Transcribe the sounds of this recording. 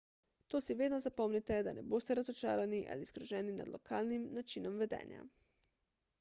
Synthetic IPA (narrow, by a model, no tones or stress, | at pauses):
t̪oːsiʋeːd̪nɔzapɔmnit̪ɛd̪anɛboːst̪ɛɾazot͡ʃa̰ːɾaniʔa̰lisɡɾuʒɛːnina̰d̪lokʰaːlnimnat͡ʃinɔmʋɛd̪ɛ̰ːnja̰